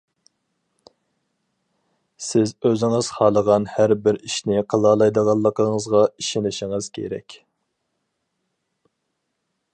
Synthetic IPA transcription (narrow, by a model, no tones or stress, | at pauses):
sɪzøzɪŋəz̥χɑːlˠəʁɑnhæɾbɪɾiʃnɪqʰəlˠɑlˠɑjd̪əʁɑlˠːəqʰəŋəzʁɑiʃɪnɪʃɪŋɨz̥kʲʰḛɾɛ̰kʲ